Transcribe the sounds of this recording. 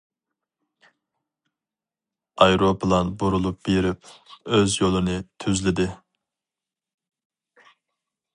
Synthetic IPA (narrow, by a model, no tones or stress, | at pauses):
ɑjɾopʰlˠɑnbuɾulˠup̚b̥eɾɪpøzjolˠɨnɨt̪ʰyzlɪd̪ɪ